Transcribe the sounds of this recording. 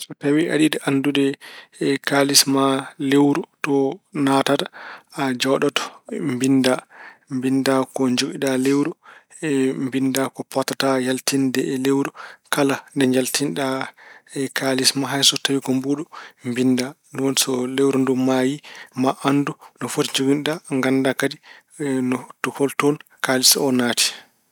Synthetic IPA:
sɔtawia̰ɗidɛʔandudɛ | kalismalewɾutɔnatatḁad͡ʒɔɗɔtɔ̥mbindambindakɔɲd͡ʒoɡiɗalewɾu | ɛmbindakɔpɔtatajaltindɛɛlewɾukalandɛɲd͡ʒaltinɗaɛkʰalismaɦajsɔtawiɡɔmbuːɗɔmbinda | nduwɔnsɔlewɾɔndumajimaʔandunɔfotiɲd͡ʒoɡinɗaŋɡandakadi | nɔtuhɔltɔnkalisɔnaːti̥

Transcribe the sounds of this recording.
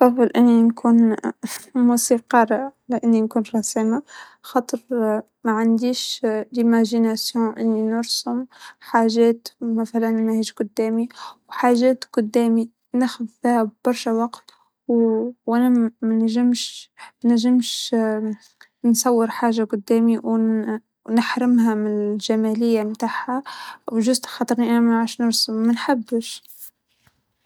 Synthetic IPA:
fˤɑðˤɨlʔɪnːinkʰuːn | musiqɑːɾˤalɪʔɪnːinkuːnɾˤɑsima | xɑːt̪ˤəɾ | maʕand̪iːʃlimæʒinasjɔ̃ʔɪnːinʊɾsʊmħaːʒɛːt̪mæθalænmæhiːʃɡʊd̪ːɛːmiwħaːʒɛːt̪ɡʊd̪ːɛːmi | næxʊðfihbbɑɾˤʃawɑqt̪ | wwʔænæmænʒɪmʃnæʒɪmʃ | nsˤɑwːəɾħaːʒaɡʊd̪ːæːmiw | nɪħɾɪmhæmɪnʒæmælɪjːamt̪aːʕhawʒʊsxɑːt̪ˤəɾniʔænmaʕaːʃnʊɾsʊmːænħabːəʃ

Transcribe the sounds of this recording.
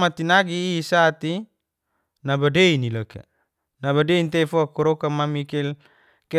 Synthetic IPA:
mat̪inaɡiːsat̪i | nabadeinilaka̰ | naβadeint̪efoakɔɾokamamikɛl | ke

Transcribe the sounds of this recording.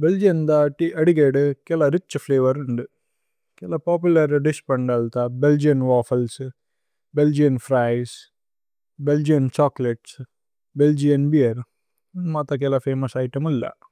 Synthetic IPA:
beld͡ʒijɐnd̪aːʈiʔɐɽiɡeːɖkɛlaɾit͡ʃːupʰleːʋɐɾuɳɖ̪i | kɛlɐpaːpjulɐɾɖispɐɳɖɐlt̪abeld͡ʒijɐnʋaːfɐls | beld͡ʒijɐnfɾaːjs | beld͡ʒijɐnt͡ʃaːkleʈs | beld͡ʒiɐnbiɐɾ | mat̪ɐk̬ɛlaːpʰeːmɐsɐjʈɐmulːɐ̰

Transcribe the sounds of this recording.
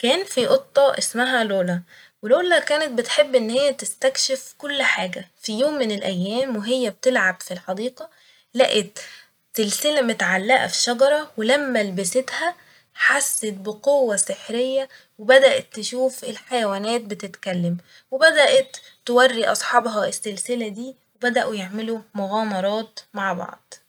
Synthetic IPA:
kæːnfiʔot̪ˤːɑʔesmæɦæloːlæ | weloːlækæːnet̪̚bɪt̪ħebːʔenːhɪjːæt̪ɪst̪ækʃefkolːħaːɡæfijoːmːɪnelʔæjːæːmweɦejːæb̚t̪elʕabfilħɑd̪iːqɑ | læ̰ʔet̪ | selsɪlæmet̪ʕalːæʔæ̰fi̥ʃɑɡɑɾˤɑwelæmːælbɪset̪hæ | ħasːet̪̚beqowːæseħɾejːæ | webæd̪æʔæt̪ːeʃuːfelħajæwæːnæːt̪̚bet̪et̪kælːæm | webæd̪æʔæt̪ː | ewærːiʔɑsˤħɑːbɦɑesːelselæd̪iː | webæd̪æʔujeʕmelomoɣɑːmɑɾˤɑːt̪maʕbɑ̰ʕd̪̥ˤ

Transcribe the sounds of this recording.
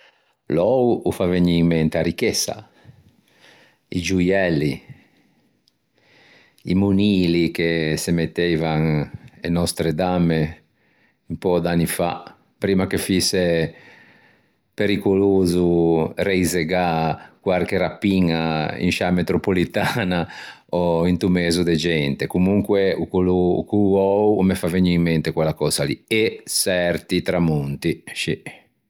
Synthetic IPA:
lɔwufaveɲːiŋment̪eaɾikɛsːa̰ | ḭd͡ʒujɛlːi | imuniːlikesemet̪ːɛvaŋenɔst̪ɾed̪amːe | impɔd̪anːifa̰ | pɾiːmakefisːe | peɾikoloːzuɾɛizɛɡakwarkeɾapːiŋaḭnʃamet̪ɾopolit̪ana | ɔint̪umɛːzud̪ɛd͡ʒɛnt̪ɛkumuŋkwɛukuluukuɔumɛfaveɲːiimːɛnt̪ɛkwɛlːakɔːzalḭɛsɛɾt̪it̪ɾamunt̪iʃi

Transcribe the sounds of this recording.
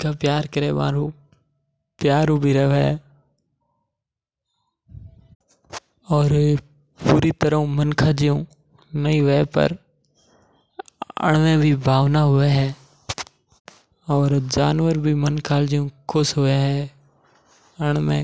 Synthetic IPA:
kaːpjaːɾkəɾeːʋã̰ːɾũː | pɪjaːɾũbʱiɾəʋɛ | ɔːɾ | puːɾit̪əɾə̃mənkʰaːd͡ʒijũː | nəĩʋɛepə̰ɾ | ə̰ɳ̃mẽːbʱiːbʱaːʋnaɦʊʋeɦɛː | ɔːɾd͡ʒaːnʋəɾbʱiːmənkʰaːld͡ʒijũkʰʊsɦʊʋeɦɛː | əɽ̃mḛ̃ː

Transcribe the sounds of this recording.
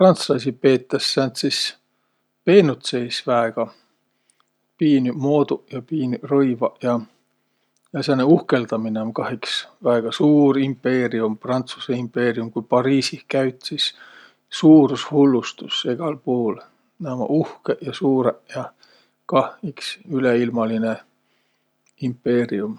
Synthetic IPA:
prɑnt̪slɑs̬ʲipe̞ːt̪ːɑsːænt̪sis | pe̞ːnut̪sejsvæeɡ̥ɑ | piːnymo̞ːd̪ujɑpiːnyrɤjvɑjɑ | jɑsɑneuhke̞ld̪ɑmineonkɑɦiksvæeɡ̥ɑsuːɾimpːe̞ːɾiumprɑnt̪su̥seimpːˑe̞ːɾiumkujpɑɾiːsihkæɥt̪sis | suːɾushulːust̪useɡ̥ɑlpuul | næmɑ̰ʔuhkeʔjɑsuːɾejɑ | kɑhiksyleilmɑline | impːe̞ːɾium

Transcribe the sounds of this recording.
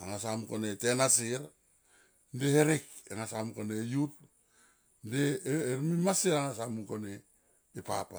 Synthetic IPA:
aŋasamukonetenasiɾ | ndeheɾek̚eŋasamkonejut̚ | ndeːɾmimaseɾaŋasamukoneː | papa

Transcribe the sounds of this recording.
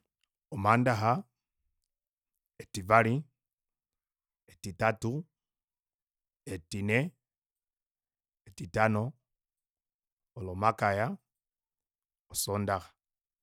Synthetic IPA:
ɔmandaɦa | etivali | etitatu | etinɛ | etitanɔ | lɔmakaja | osɔndaxḁ

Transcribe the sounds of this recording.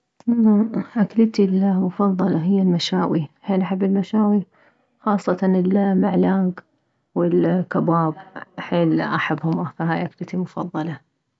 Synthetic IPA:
amːaʔaklt̪ilmʊfɑðˤːɑlɑɦɪjːalmaʃaːwiheːnʔaħabːɪlmaʃaːwi | xɑːsˤːɑt̪ɑnɪlmaʕlaːɡ | wɪlkabaːbħeːlʔaħabːhʊmafaɦaːjʔaklɪt̪ilmʊfɑðˤːɑlɑ

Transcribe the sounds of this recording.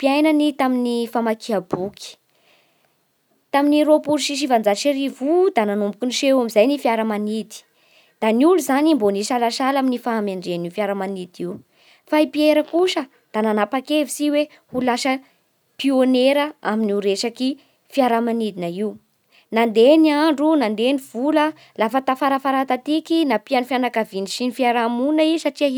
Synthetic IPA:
piajnənit̪aminifamakiabuki̥ | t̪aminiɾopuɾʃiʃ̬ivand͡zaʃeɾivud̪ananumbu̥kiniʃeamizajnifiaɾəmanid̪i̥ | d̪̥aniuluzanimboniʃalaʃalaminifaːmeɳɖ͡ʐeniufiaɾəmanid̪iw | faipieɾəkuʃə | d̪̥ananapakevisiwe | hulaʃə | pioneɾəaminiɾeʃaki | fiaɾamanid̪inaiu | nand̪eniaɳɖ͡ʐunand̪eniv̥ulə | lafət̪afaɾafaɾat̪at̪ikinapianufjanakaviniʃinifiaɾamunəisaʈ͡ʂiaɦi

